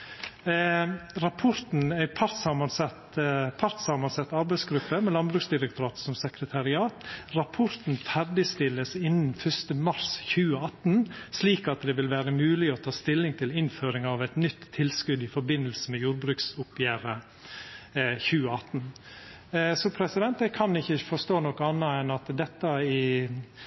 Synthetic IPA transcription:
ɾɑpʰɔɾt̪n̩æɪpʰɑɾt̪sɑmɑnsɛt̪pʰɑɾt̪sɑmɑnsɛt̪ːɑɾbæɪsɡɾʉpːəmɛlɑnbɾʉːksd̪ɪɾɛkt̪ʊɾɑːt̪sɔmsɛkɾət̪ʰɑɾɪɑːt̪ɾɑpʰɔɾt̪n̩fæɾɖ̪ɪst̪ɪlːəsɪnn̩fœʂt̪əmɑɾsçʉːəɑt̪nsliːkɑt̪d̪ɛʋɪlʋæːɾəmʉːlɪɔt̪ʰɑːst̪ɪlːɪŋt̪ʰɪlɪnføːɾɪŋɑʋæt̪nʏt̪ʰːɪlskʉd̪ɪfɔɾbɪnəlsəmɛjuːɾbɾʉːksʊpjæːɾə | çʉːəɑt̪n | sɔpʰɾɛsɪd̪ɛnt̪ɛkʰɑnɪçːəfɔʂt̪oːnɔkəɑnːəɛnɑt̪d̪ɛt̪ːəɪ

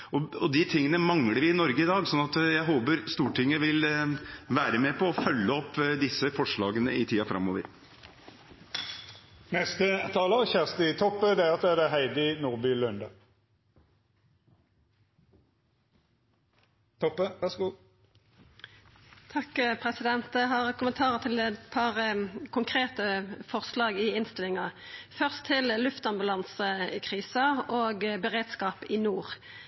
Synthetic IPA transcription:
ɔɔd̪ɪt̪ʰɪŋːənəmɑŋləɾɪnɔɾɡəɪd̪ɑːɡsɔnːɑt̪jæɪɦoːbəɾst̪uːʈʰɪŋːəʋɪlʋæːɾəmɛpʰɔɔfœlːəɔpːd̪ɪsːəfɔʂɭɑːɡənəɪt̪ʰiːɑfɾɑ̰mːoːʋə̰ɾ | nɛst̪ət̪ʰɑːləʁçæʁst̪ɪt̪ʰɔpːəd̪ɛæɑt̪ːɛʁd̪ɛɦæɪd̪ənuːʁbylœnd̪ə | t̪ʰɔpːəʋæʁsɡu | t̪ʰɑkːpʰʁɛsɪd̪ɛnt̪̚d̪ɛɦɑːʁkʰʊmənt̪ʰɑːʁəʁt̪ʰɪlɛt̪pʰɑʁəkʰʊŋkʰʁeːt̪əfɔʁslɑːɡɪɪnst̪ɪlɪŋɑ | fœʁst̪ʰːɪllʉft̪ɑmbʉlɑnsəɪkʰʁiːsɑoːɡbəʁeːd̪skɑːpɪnuːʁ

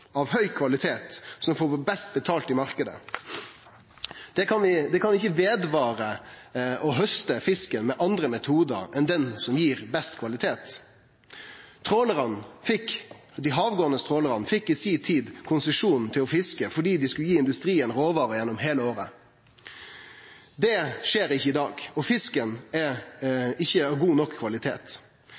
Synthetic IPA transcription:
ɑʋhœʏkʰʋɑlɪt̪ʰeːt̪sɔmfoːbɛst̪̚bət̪ʰɑːlt̪ɪmɑɾkəd̪ə̰ | d̪̥ɛkɑnʋɪd̪ɛkʰɑnʋɪɪçəʋeːd̪ʋɑːʁə | ɔɦœst̪əfɪskənmɛʔɑnd̪ɾəmɛt̪ʰuːd̪ə̰ɾɛnd̪ɛnsɔmjiːʁbɛst̪kʰʋɑlɪt̪ʰeːt̪ | t̪ʰʁoːləʁənfɪk | d̪ɪɦɑːʋɡoːnəst̪ʰʁoːləʁɑnfɪkːɪsiːt̪ʰiːd̪kʰʊnsəʂuːnn̩t̪ʰɪlɔfɪskəfɔɖiːd̪ɪskʉljiːɪnd̪ʉst̪ɾiːənɾoːʋɑːɾəjɛnːɔmɦeːləoːɾə | d̪ɛʂeːɾɪçːəɪd̪ɑːɡɔfɪskənɛ | ɪçːəɑɡuːnɔkʰːʋɑlɪt̪ʰḛːt̪

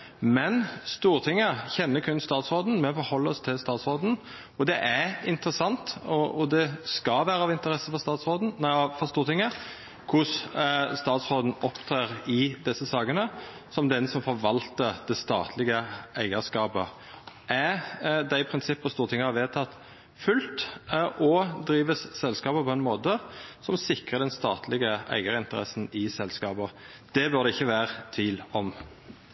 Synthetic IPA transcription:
mɛnst̪uːɾt̪ʰɪŋːəçɛnːəkʰʉnst̪ɑːt̪sɾoːd̪n̩mɛfɔɾhɔlːəɔst̪ʰɪlst̪ɑːt̪sʁoːd̪n̩ | ɔd̪ɛʔæɾɪnt̪əɾəsɑnt̪ɔʔɔd̪ɛskɑʋæːɾəɑʋɪnt̪əɾɛsəfɔɾst̪ɑːt̪sɾoːd̪n̩næfɔst̪uːɾt̪ɪŋːə | kʰʊsst̪ɑːt̪sʁoːd̪n̩ɔpt̪ʰɾeːɾɪd̪ɛsəsɑːkənə | sɔmd̪ɛnsɔmfɔɾʋɑlt̪əɾd̪̥ɛst̪ɑ̰ːt̪ʰlɪɡəæɪɡəskɑːpə | ʔæd̪æɪpʰʁɪnsɪpːɔst̪uːʁət̪ʰɪŋːəhɑʋeːt̪ʰɑt̪ː | fʉlt̪ʔɔd̪ɾiːʋəssɛlskɑːbəpʰɔɛnmoːt̪əsɔmsɪkʁəd̪ɛnst̪ɑ̰ːt̪ʰlɪɡəæ̰ɪɡəɾɪnt̪əɾɛsn̩ɪsɛlskɑːbə | d̪̥ɛbœʁɾd̪ɛɪçːəʋæːɾət̪ʰʋiːlɔm

